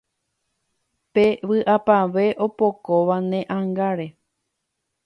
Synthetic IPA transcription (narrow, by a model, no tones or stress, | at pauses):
peʋɨʔapaʋe̞ʔo̞pokoʋanẽʔãŋɡaɾe̞